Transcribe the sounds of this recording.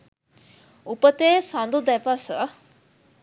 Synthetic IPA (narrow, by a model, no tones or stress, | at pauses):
upət̪eːsãnd̪ud̪ɛpasə